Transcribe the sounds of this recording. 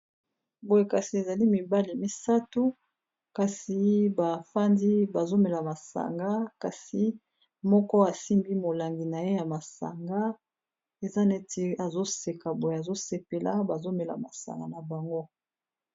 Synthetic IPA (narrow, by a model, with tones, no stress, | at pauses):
bo˨je˨ka˨si˨e˨za˨li˦mi˨ba˦li˨mi˦sa˦tu˦ | ka˨si˨ba˨fa˦ndi˦ba˨zo˦mɛ˨la˨ma˨sa̰˨ŋɡa˦ka˨si˨ | mɔ˦kɔ˦a˨si˦mbi˦mo˨la˨ŋɡi˨na˨je˦ja˨ma˨sa̰˨ŋɡa˦ | e˨za˦ne˦te˦a˨zo˦se˨ka˨bo˨je˨a˨zo˦se˨pe˨la̰˦ba˨zo˦mɛ˨la̰˨ma̰˨sa̰˨ŋɡa̰˨na˨ba˨ŋɡo˦